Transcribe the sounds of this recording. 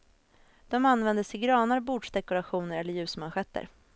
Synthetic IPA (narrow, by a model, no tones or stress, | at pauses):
d̪̥ɔmanːvɛnd̪əsɛɪɡɾɑːnaɾbuːɖʂd̪ɛkʊɾaɧuːnəɾɛlːəɾjʉ̟ːsmanɧɛt̪ːə̰ɾ